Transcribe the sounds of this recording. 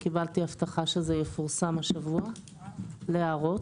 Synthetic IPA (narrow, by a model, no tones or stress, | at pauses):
kibalt̪iaft̪aχaʃezejefuʁsamhaʃavua | leaʁo̞t